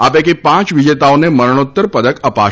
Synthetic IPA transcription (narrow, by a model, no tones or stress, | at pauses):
apekepãt͡ʃʋid͡ʒet̪aoneməɾɳ̃ot̪ːəɾpəd̪əkəpa̰